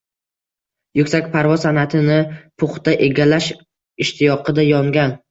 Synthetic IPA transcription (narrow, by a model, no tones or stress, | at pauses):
jʊkʲsakʲpʰaɾvɒzsanat̪ʰɪnɪpʰʊχt̪aʔe̞ɡʲalaʃ | ɪʃt̪ʰɪjɒqʰɨd̪ajɒŋɡʲan